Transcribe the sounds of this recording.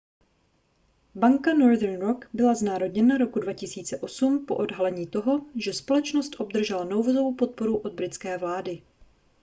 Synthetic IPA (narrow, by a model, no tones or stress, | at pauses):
baŋkano̞ɾd̪ɛɾnɾo̞kbɪlaznaːɾodɲɛnaɾo̞kudvacɪsiːt͡sɛʔo̞sumpo̞̰ʔo̞dɦalɛɲiːt̪o̞ɦo̞ʒɛspo̞lɛt͡ʃnost̪ʔo̞bd̪r̩ʒɛlano̞wvozowpo̞t̪̚po̞ɾuʔo̞d̪̚bɾɪt̪t͡skɛːvlaːdɪ